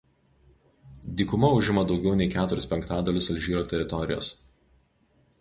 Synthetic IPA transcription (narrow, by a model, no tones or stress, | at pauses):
d̪ʲiːkʊmɐʊʒʲɪmɐd̪ɒʊɡʲɛʊnʲɛɪkʲæːt̪ʊɾʲʊsʲpʲɛŋkt̪ɑːd̪ɐlʲʊsɐlʲʒʲiːɾoːt̪ʲɛɾʲɪt̪ɔɾʲɪ̰jo̰ːs